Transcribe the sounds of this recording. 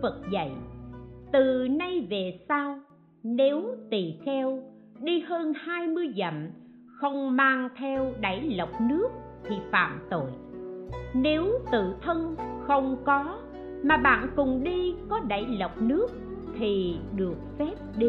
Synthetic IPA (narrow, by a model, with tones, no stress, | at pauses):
və˨˩t̚zə̰˧˨jt̪ɨ˨˩na˧jve˨˩saː˧w | ne˨˦wt̪ḭ˧˨˩xɛ˧w | ɗi˧həː˧nhaː˧jmɨ˧əjzə̰˧˩˨m | xə˧wŋ͡mmaː˧ŋt̪ʰɛ˧wɗa̰˧˩jlə˨˩wk͡p̚nɨ˦˥ək̚t̪ʰi˨˩fa̰ː˧˨mt̪o̰˧˨j | ne˨˦wt̪ɨ̰˧˨t̪ʰə˧nxə˧wŋ͡mkɔ˨˦ | maː˨˩ɓa̰ː˧˨nkʊ˨˩ŋ͡mɗi˧kɔ˨˦ɗa˧˩jlə˨˩wk͡p̚nɨ˦˥ək̚ | t̪ʰi˨˩ɗɨ˨˩ək̚fɛ˦˥p̚ɗi˧